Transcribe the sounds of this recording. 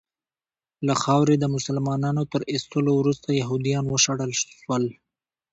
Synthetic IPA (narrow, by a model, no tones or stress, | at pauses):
laxɑwɾed̪əmʊsalmɑnɑnot̪əɾɪst̪əlowɾust̪ajaɦud̪ijɑnwəʃaɽəlʃwəl